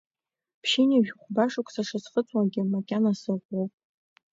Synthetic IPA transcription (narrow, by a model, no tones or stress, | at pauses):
pʰʃiniʒᶣʲχʷbaʂʊkʷʰʼsaʂazχət͡sʷʼwaɡʲɪmakʲʼanasɨʁʷowpʼ